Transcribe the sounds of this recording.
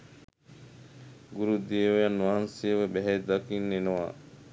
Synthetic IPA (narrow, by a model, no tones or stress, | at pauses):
ɡuɾud̪ieʋjanːuaɦansieʋebɛɦɛd̪akinːenoʋa̰